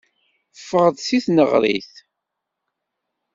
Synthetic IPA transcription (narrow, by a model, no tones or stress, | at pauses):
fəʁəðsiθnəʁɾḭθ